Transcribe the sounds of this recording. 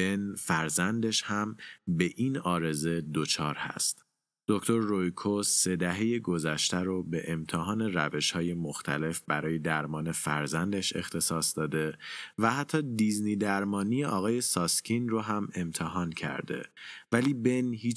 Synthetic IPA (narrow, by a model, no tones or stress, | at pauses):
enfæɾzænd̪e̞ʃhæmbe̞ʔinɒːɾe̞ze̞d̪ot͡ʃʰɒːɾhæ̰st̪ | d̪̥oct̪o̞ɾːojkʰosːe̞d̪æɦe̞jeɡo̞zæʃt̪æɾobe̞ʔemt̪ʰeɦɒːne̞ræve̞ʃhɒːje̞moxt̪ʰæ̰le̞fbæɾɒːje̞d̪æɾmɒːne̞fæɾzænd̪eʃe̞̰xt̪ʰe̞sɒːsd̪̥ɒːd̪e̞væhæt̪ʰːɒːd̪izniːd̪æɾmɒːnijeʔɒːɣɒːje̞sɒːscʰinroɦæme̞mt̪ʰeɦɒːncʰæ̰ɾd̪e̞̰væliːbe̞nhiː